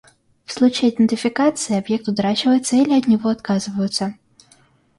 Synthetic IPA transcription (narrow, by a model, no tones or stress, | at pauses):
fslˠut͡ɕɪɐd̪ʲɨnt̪ʲɪfʲɪkat̪sɨɪɐbjɛk̚t̪ʊt̪ɾat͡ɕɪvəjɪt̪sːəilʲɪɐd̪nʲɪvɔɐt̪kazɨvəjʊt̪sːə